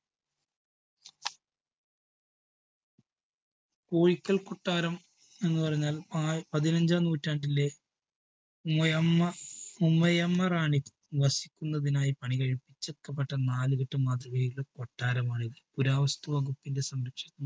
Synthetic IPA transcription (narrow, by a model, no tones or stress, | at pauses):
koːɻikʲːɐɭkoʈːaːɾɐm | e̞nːupɐrɐɲːaːlapɐðinɐɲd͡ʑaːmnuːtːaːɳɖile̞ | mɐjɐɐumːɐjɐmːɐraːɳi | ʋɐsi̥kʲːunːɐðinaːjipɐɳiɣɐɻipːit͡ɕːɐkːɐpːɐʈːɐnaːlɨɣiʈːɨmaːd̪rɐejuɭekoʈːaːɾɐmaːɳiɣɐpuɾaːʋɐst̪uʋɐɣupːinde̞sɐmɾɐkʂɐt̪ːɐm